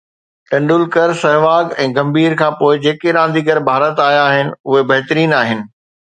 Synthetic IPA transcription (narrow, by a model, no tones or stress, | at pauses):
ʈɐ̃ɳɖʊlkəɾsɐɦʋaːɡɛ̃ːɡɐ̃mbʱiːɾkʰãːpoːɪd͡ʑeːkeɾãːn̆d̪iːɡɐɾbʱaːɾət̪aːjaːɦɪnɪ̆ʊɦebɐɦt̪əɾiːnaːɦɪnɪ̆